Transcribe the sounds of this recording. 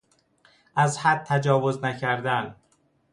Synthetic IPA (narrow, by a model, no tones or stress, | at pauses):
ʔæzhæd̪̚t̪ʰæd͡ʒɒːvoznæcʰæɾd̪æn